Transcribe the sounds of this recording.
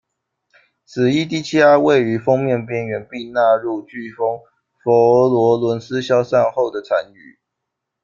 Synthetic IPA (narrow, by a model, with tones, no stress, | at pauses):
sʰɹ̩˨˩i˥t̪̬i˥˩t͡ɕʰi˥a˥we˥˨˩ɪy˧˥fɤ˥ŋmjɛ˥˨npjɛ˥˩nɥɛ˧˥npi˥˧na˥˧ɻu˥˧t͡ɕy˥˩fɤ˥ŋ | fɔ˧˥˦lwɔ˧˥lwə˧˦˥nsɹ̩˦ɕjɑ˥ʊsa˥˧nxo˥˩ʊd̪ə˩t͡sʰa˧˥ny˨˩˦